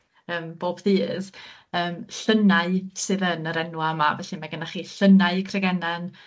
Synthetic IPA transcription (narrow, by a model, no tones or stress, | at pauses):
əːmb̥oːb̥ðiːð̥əːmɬənaɨsɨːðənəɾɛnwaəma̰vɛɬɨmaɡənaχiːɬənaɨkʰrɛɡɛnan